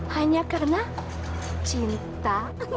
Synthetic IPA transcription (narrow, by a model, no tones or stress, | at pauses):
haɲakaɾna | t͡ʃɪnt̪a